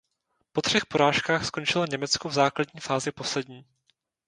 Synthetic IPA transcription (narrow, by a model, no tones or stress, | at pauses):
po̞t̪r̝̥ɛxpo̞ɾaːʃkaːxsko̞nt͡ʃɪloɲɛmɛt͡skuvzaːkladɲiːfaːzɪpo̞slɛdɲiː